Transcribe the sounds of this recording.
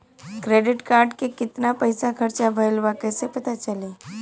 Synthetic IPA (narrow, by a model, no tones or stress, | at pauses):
kɾeːɖɪʈkaːɾɖkekɪt̪napɐɪsakʰɐɾt͡ʃabʱɐɪlʋaːkəsepɐt̪at͡ʃəleː